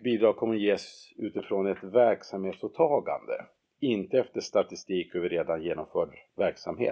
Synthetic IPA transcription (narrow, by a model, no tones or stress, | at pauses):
biːd̪ɾɑːɡ̚kʰɔmːəjeːsʉ̟ːt̪ɪfɾoːnɛt̪væɾksamheːt̪sut̪ʰːɑːɡa̰nd̪ə̰ | ɪnt̪əɛft̪əʂt̪at̪ɪst̪iːkøvɪɾeːd̪anjeːnɔmfœːɖvæɾksamhḛː